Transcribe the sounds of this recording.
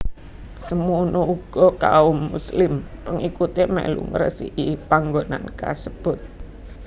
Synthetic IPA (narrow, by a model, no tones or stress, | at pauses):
səmunouɡ̥ɔkaʊmːuslɪmpəŋikut̪emɛ̰ʔlṵŋəɾə̰siʔipaŋɡona̰nka̰səb̥ʊ̤t̪̚